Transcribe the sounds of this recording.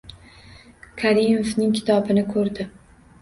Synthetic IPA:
kʰaɾimofnɪŋkʲʰɪ̥t̪ʰɒbɪnɪkʰɵɾd̪ɪ

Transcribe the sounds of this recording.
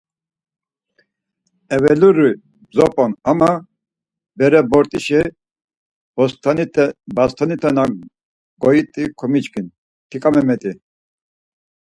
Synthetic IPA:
ɛvɛluɾi | bzɔpʼɔnama | bɛɾɛbɔɾt̪ʼiʃɛ | bast̪ʰanit̪ʰɛna | ɡ̥ɔit̪ʼikʰɔmit͡ʃkʰin | t̪ʰikʼamɛmɛt̪ʼi

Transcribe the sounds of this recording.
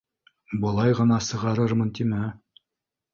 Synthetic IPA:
bɤ̆lˠɑjʁɤ̆nɑsɤ̆ʁɑɾɤɾmɤnt̪imæ

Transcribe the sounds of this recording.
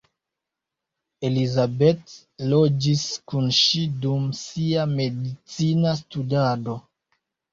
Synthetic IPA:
e̞lizabet | lo̞d͡ʒiskunʃidumsiame̞dit͡sinas̬tudado̞

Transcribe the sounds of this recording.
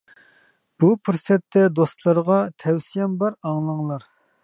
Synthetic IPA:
b̥upʰuɾsɛt̪ʰːɛd̪ost̪lˠɑɾʁɑt̪ʰɛwsijɛmbɑɾɑŋlˠɑŋlˠɑɾ

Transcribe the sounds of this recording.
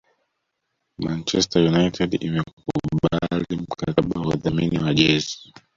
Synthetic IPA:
mant͡ʃɛstajunaitʰɛdimɛkuɓalim̩kaaɓawa̰ðaminiwaʄɛzi̥

